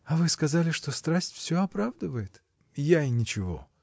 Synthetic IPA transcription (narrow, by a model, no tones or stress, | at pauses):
ɐvɨskɐzalʲɪʂt̪o̞st̪ɾasʲtʲfsʲoɐpɾavd̪əvəjɪt̪ | jaɪnʲɪt͡ɕɪvo̞̰